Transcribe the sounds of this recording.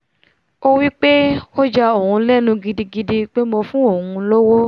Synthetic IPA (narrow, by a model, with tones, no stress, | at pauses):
o˦wi˦k͡pe˦o˦d͡ʒa˧o˨ũ˧lɛ˦˨nũ˧ɡi˧di˧ɡi˧di˧k͡pe˦mo˧fũ˦o˦˨ũ˧lo˦wo˦